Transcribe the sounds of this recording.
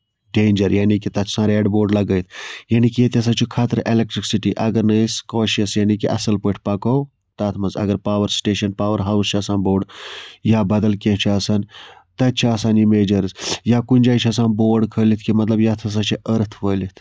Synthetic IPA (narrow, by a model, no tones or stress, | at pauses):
ɖeːnʲd͡ʒɐɾjaːnikit̪ɐt̪ʰsãːɾeːɖboːɾɖlɐɡəjt̪ʰjaːnikijet̪ʰʲɐs̬ãːt͡ʃʰikʰaːt̪əɾelek̚ʈɾiksiʈiʔɐɡɐɾnəskoːʃiɐsjaːnikiʔɐ̰sɐlpəʈʰpɐkow | t̪at̪ʰmɐzɐ̰ɡɐɾpaːʋəɾsʈeːʃɐnpaːʋɐɾɦaːwst͡ʃʰiɐsãːnboːɾɖjaːbɐd̪ɐlkʲẽt͡ʃʰiaːsaːnt̪ɐt̪̚t͡ʃʰiaːsaːnimeːd͡ʒɐɾzjakunʲd͡ʒaːjt͡ʃʰiɐs̬ãːnboːɾɖkʰəːlit̪ʰkimɐt̪lɐbjat̪ʰɐs̬ãt͡ʃʰiʔəɾt̪ʰʋəːlit̪ʰ